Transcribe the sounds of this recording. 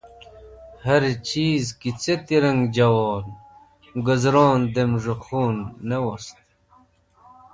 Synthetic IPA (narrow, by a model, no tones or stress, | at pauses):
hɐɾt͡ɕʰiːzkit͡set̪iɾɐŋɡd͡ʑɐwoːl | ɡəzɾoːnd̪emʐoxuːnːewost̪